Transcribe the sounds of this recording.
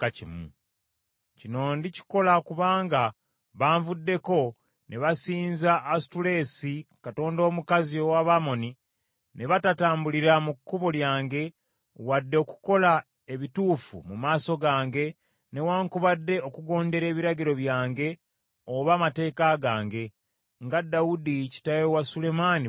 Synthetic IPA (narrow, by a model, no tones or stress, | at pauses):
kacimṵ | cino̞ndici̥ko̞lakuβaːŋɡa | βaːɱvudːe̞ko̞ | nʔe̞βasiːnzaʔːstule̞ːsikato̞ːndo̞ːmukazio̞waβamo̞ni | ne̞βatataːmbuliɾamukːuβoljaːŋɡe̞ | wadːe̞oku̥ko̞la | e̞βituːfṵmumaːso̞ɡaːŋɡe̞ | ne̞waːŋkuβadːe̞okuɡo̞ːnde̞ɾe̞ːβiɾaɟiɾo̞βjaːŋɡe̞ | oβamate̞ːkaɡaːŋɡe̞ | ŋɡadːaudici̥tajewasule̞mani